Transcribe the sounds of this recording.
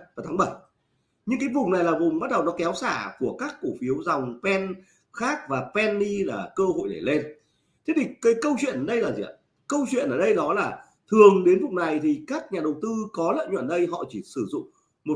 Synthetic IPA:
vaː˨˩t̪ʰaː˨˦˥ɓə˧˩j | ɲɨ˧ŋk̬aː˨˦jvʊ˨˩ŋ͡mna˨˩jlaː˨˩vʊ˨˩ŋ͡mɓa˦˥t̚ɗə˨˩wnɔ˨˦kɛ˨˦wsaː˧˩ku˧˩əkaː˦˥kːu˧˩fi˨˦əwza˨˩wŋ͡mpɛ˧n | xaː˦˥k̚vaː˨˩pɛ˧nːi˧laː˨˩kəː˧ho̰˧˨jɗe˧˩le˧n | t̪ʰe˦˥t̪ʰi˨˩kaː˨˦jkə˧wt͡ɕwḭ˧˨ənʔəː˨˩ɗə˧jlaː˨˩zḭ˨˩a̰˧˩ | kə˧wt͡ɕwḭ˧˨ənʔəː˧˩ɗə˧jɗɔ˨˦laː˨˩ | t̪ʰɨ˨˩əŋɗe˨˦nvʊ˨˩ŋ͡mna˨˩jt̪ʰi˨˩kaː˦˥k̚ɲaː˨˩ɗə˨˩wt̪ɨ˧kɔ˨˦lə̰ː˧˨nɲwa̰˧˩˨nɗə˧jɦɔ̰˧˨t͡ɕi˧˩sɨ˧˩zʊ̰˧˨ŋ͡m | mo˨˩

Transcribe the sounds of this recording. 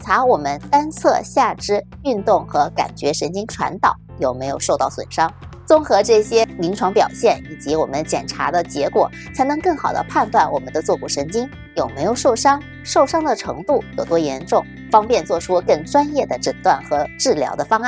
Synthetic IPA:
nt͡sʰa˧˥wɔ˨˩mə˦nt̪a˥nt͡sʰɤ˥˧ɕja˥˩ʈ͡ʂɻ̩˥ | y˥˧nt̪ʊ˥˩ŋxɤ˧˥ka̰˨˩nt͡ɕɥɛ˧˥ʂə˧˥nt͡ɕi˥ŋʈ͡ʂʰwa̰˧˥nt̪ɑ˨˩˦ʊjo˨˩ʊme˧˥ɪjo˨˩ʊʂo˥˧ʊt̪ɑ˥˩ʊswə̰˨˩nʂɑ˥ŋ | t͡sʊ˥ŋxɤ˧˥ʈ͡ʂɤ˥˩ɕjɛ˥mi˧˥ŋʈ͡ʂʰwɑ˧˥ŋpjɑ˨˩ʊɕjɛ˥˩ni˨˩t͡ɕi˧˥wɔ˨˩mə˦nt͡ɕjɛ̰˨˩nʈ͡ʂʰa̰˧˥d̪ə˧t͡ɕjɛ˧˥kwɔ̰˨˩ | t͡sʰa˧˥ɪnɤ˧˥ŋkɤ˥˩ŋxɑ˨˩ʊd̪ə̰˦pʰa˥˧nt̪wa˥˩nwɔ̰˨˩mə˦nd̪ə˧t͡swɔ˥˩ku˨˩ʂə˧˥nt͡ɕi˥ŋ | jo˨˩ʊme˧˥ɪjo˨˩ʊʂo˥˩ʊʂɑ˥ŋ | ʂo˥˩ʊʂɑ˥ŋd̪ə˨ʈ͡ʂʰɤ˧˥ŋt̪u˥˩jɤ˨˩t̪wɔ˥jɛ˧˥nʈ͡ʂʊ˥˩ŋ | fɑ˥ŋpjɛ˥˧nt͡swɔ˥˩ʈ͡ʂʰu˥kə˥˩ŋʈ͡ʂwa˥njɛ˥˩d̪ə˩ʈ͡ʂə˨˩t̪wa˥˩nxɤ˧˥ʈ͡ʂɻ̩˥˩ljɑ̰˧˥ʊd̪ə˧fɑ˥ŋa˥˩

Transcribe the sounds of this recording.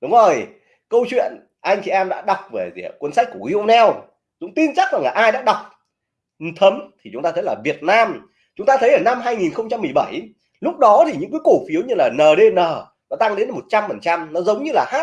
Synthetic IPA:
ɗʊ˨˦ŋ͡mzo˨˩j | kə˧wt͡ɕwḭ˧˨ən | ʔa˧jŋ̟t͡ɕʰi˧˩ʔɛ˧mɗa̰ː˧˥ɗa˨˩wk͡p̚vəː˧˩jzḭ˧˩˨kwə˨˦nsa˦˥k̟kkwi˧ə˧wnɛ˧w | zʊ̰˧˥ŋ͡mt̪i˧nt͡ɕa˦˥k̚za˨˩ŋlaː˨˩ʔaː˧jɗa̰ː˧˥ɗa˨˩wk͡p̚ | t̪ʰə˨˦mt̪ʰi˨˩t͡ɕʊ˨˦ŋ͡mt̪aː˧t̪ʰə˨˦jlaː˨˩vi˨˩ət̚naː˧m | t͡ɕʊ˨˦ŋ͡mt̪aː˧t̪ʰə˨˦jʔəː˧˩na˧mɦaː˧jŋi˨˩nxə˧wŋ͡mt͡ɕa˧mːɨ˨˩əjɓa˧˩j | lʊ˦˥k͡p̚ɗɔ˨˦t̪ʰi˨˩ɲɨ̰˧˥kɨ˨˦ku˧˩fi˨˦əwɲɨ˧laː˨˩nəː˨˩ɗe˧nəː˨˩ | nɔ˨˦t̪a˧ŋɗe˨˦nmo˨˩t̚t͡ɕa˧mfə˨˩nt͡ɕa˧mnɔ˨˦zə˨˦wŋ͡mɲɨ˧laː˨˩haː˦˥t̚

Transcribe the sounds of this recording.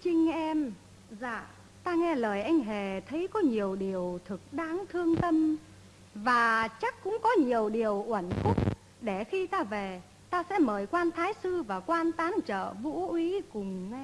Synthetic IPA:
t͡ɕï˧ŋ̟ʔɛ˧m | za̰ː˧˨ | t̪aː˧ŋɛ˧ləː˨˩jʔa˧jŋ̟ɦe˨˩t̪ʰə˨˦jkɔ˨˦ɲi˨˩əwɗi˨˩əwt̪ʰɨ˨˩k̚ɗaː˨˦ŋt̪ʰɨ˧əŋt̪ə˧m | vaː˨˩t͡ɕa˦˥k̚kːʊ̰˧˥ŋ͡mkɔ˨˦ɲi˨˩əwɗi˨˩əwʔwə˧˩nkʊ˦˥k͡p̚ | ɗe˧˩xi˧t̪aː˧ve˨˩ | t̪aː˧sɛ̰˧˥məː˨˩jkwaː˧nt̪ʰaː˨˦jsɨ˧vaː˨˩kwaː˧nt̪aː˨˦nt͡ɕə̰ː˧˨vṵ˧˥ʔwi˨˦kʊ˨˩ŋ͡mŋɛ˧

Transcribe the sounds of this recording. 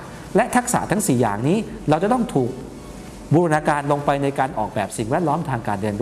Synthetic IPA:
lɛ˦˥ʔt̪ʰa˦˥k̚sa̰˩˦t̪ʰa˦˥ŋsiː˨˩ja̰ː˨˩ŋniː˦˥ɾa˧wt͡ɕa˨˩t̪ɔ˥˩ŋt̪ʰuː˨˩k̚ | buː˧ɾa˧naː˧kaː˧nlo˧ŋpa˧jna˧jkaː˧nʔɔː˨˩k̚bɛː˨˩p̚si˨˩ŋwɛː˥˩t̪̚lɔː˦˥mt̪ʰaː˧ŋkaː˧nːɯ˧ənd

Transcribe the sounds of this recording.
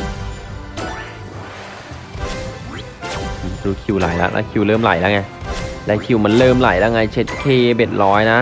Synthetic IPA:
ɾuː˦˥kʰi˧˩wla̰˨˩˦jla̰˦˥ʔlʔɛ̰˧˥kʰi˧˩wlɤː˥˩mla̰˨˦jla˦˥ŋa˧˩jlɛː˦˥kʰi˨˧˩wma˧˥nlɤː˥˩mla̰˨˩˦jla˧˦˥ŋa˧˩jt͡ɕʰe˦˥t̪̚kʰeː˧˩be˨˩t̪̚lɔː˦˥jna˦˥

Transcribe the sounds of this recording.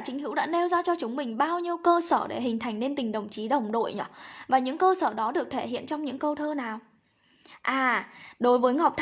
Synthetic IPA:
t͡ɕï˨˦ŋ̟hɨ̰˧˥wɗa̰ː˧˥ne˧wzaː˧t͡ɕɔ˧t͡ɕʊ˨˦ŋ͡mmï˨˩ŋ̟ɓaː˧wɲi˧əwkəː˧səː˧˩ɗḛ˧˩ɦŋ̟t̪ʰa˨˩jŋ̟ne˧nt̪ï˨˩ŋ̟ɗə˨˩wŋ͡mt͡ɕi˨˦ɗə˨˩wŋ͡mɗo̰˧˨jɲɔ̰ː˨˦vaː˨˩ɲɨ̰˧˥ŋkəː˧səː˧˩ɗɔ˨˦ɗɨ˨˩ək̚t̪ʰe˧˩hḭ˧˨ənt͡ɕɔ˧wŋ͡mɲɨ̰˧˥ŋkə˧wt̪ʰəː˧naː˨˩w | ʔaː˨˩ɗo˨˦jvəː˨˦jŋa˨˩wk͡p̚t̪ʰ

